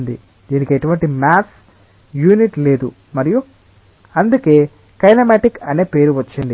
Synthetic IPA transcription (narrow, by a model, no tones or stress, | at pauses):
nd̪ḭ | d̪iːnikeʈuʋɐɳʈimaːs | juːniʈle̞ːd̪u | mɐɾiju | ɐnd̪uke̞ː | kɐjnɐmaːʈikɐne̞ːpe̞ːɾuʋɐt͡ʃːɐɳɖi